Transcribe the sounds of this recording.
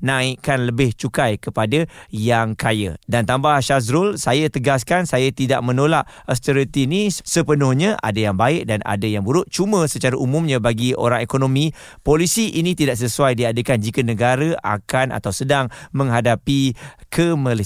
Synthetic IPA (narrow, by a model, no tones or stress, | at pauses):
nãiʔkanləbɪht͡ʃukajkəpadəjaŋkajə̰dant̪ambahʃas̬ɾʊlsajət̪əɡaskansajət̪ida̰ʔmə̃nolaʔ | əst̪əɾət̪inisəpənʊhɲəʔa̰dəjaŋbaɪʔ̚dana̰dəjaŋbuɾʊt̪̚t͡ʃuməsət͡ʃaɾaʔumũmɲə̃baɡio̰ɾaŋekonomĩ | polisiʔinĩt̪idaʔs̬əsuajdiadəkand͡ʒikənəɡaɾəa̰kanʔa̰t̪awsədaŋmə̃ŋɦadapikʰəməli